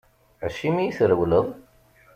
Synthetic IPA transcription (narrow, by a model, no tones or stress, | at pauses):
əʃimijiθɾəwləðˤ